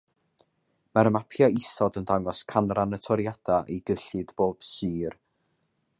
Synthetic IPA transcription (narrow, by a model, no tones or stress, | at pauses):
maɾəmapʰjaɪsɔdəndaŋɔskʰanranətʰɔɾijad̥aʔejɡəɬɨd̥b̥oːb̥sɨːr